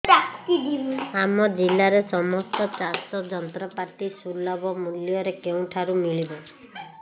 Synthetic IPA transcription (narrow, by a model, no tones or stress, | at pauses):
akt̪id̪ʱilamɔd͡ʒilːaɾesɔmɔst̪ɔt͡ʃasɔd͡ʒɔnt̪ɾɔpaʈisulːɔbɔmuljɔɾekeũʈʰaɾumiɭibɔ